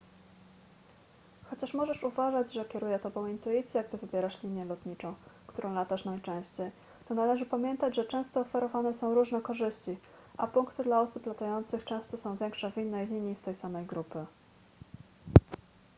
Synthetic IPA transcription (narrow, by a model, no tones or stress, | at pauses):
xɔt͡ɕaʂmɔʐɛʂuvaʐad͡ʑʐɛkʲɛɾujɛt̪ɔbɔ̃w̃int̪uit̪sʲjɛɡd̪ɘvɘbʲjɛɾaʂlʲiɲjɛlɔt̪ɲit͡ʂɔ̃w̃kt̪uɾɔ̃w̃lat̪aʂnajt͡ʂɛ̃w̃ɕt͡ɕej | t̪ɔnalɛʐɘpamʲjɛnt̪ad͡ʑʐɛt͡ʂɛ̃w̃st̪ɔːfɛɾɔvanɛsɔ̃w̃ɾuʐnɛkɔʐɘɕt͡ɕi | ʔa̰puŋkt̪ɘd̪laɔsuplat̪ajɔnt̪sɘxt͡ʂɛ̃w̃st̪ɔsɔ̃w̃vʲjɛŋkʂɛvʲinːɛjlʲiɲist̪ɛjsamɛjɡɾupɘ